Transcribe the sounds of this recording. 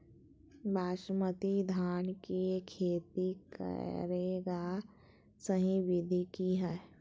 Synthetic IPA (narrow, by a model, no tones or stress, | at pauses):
bʱaːʃmət̪id̪ʱaːnkikʰeːt̪ikə̰ɾeːɡa | səɦĩʋɪd̪ʱikiɦɛː